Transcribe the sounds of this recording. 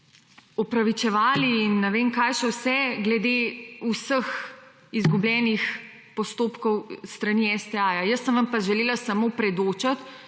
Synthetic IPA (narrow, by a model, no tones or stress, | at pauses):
ɔpɾaʋit͡ʃɛʋaːliːnːɛʋeːŋkajsɔwsɛɡlɛd̪eusəx | izɡublʲjɛːnix | pɔst̪oːpkɔwst̪ɾaniːɛsd̪ɛaːjajəsːə̃mʋampaʒɛleːlasamopɾɛd̪oːt͡ʃat̪